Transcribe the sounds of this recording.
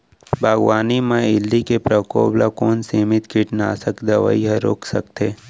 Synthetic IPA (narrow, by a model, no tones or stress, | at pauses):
bʱaːɡʋaːnimẽɪlːikepɾəko̰ːblakoːnseːmɪt̪kɪʈnaːsəkd̪ɐʋa̰iɦə̃ɾo̰ːkʰsə̰kt̪eː